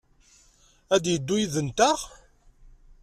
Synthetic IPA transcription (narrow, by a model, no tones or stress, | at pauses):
æd̪jəd̪ːujiðənt̪æʁ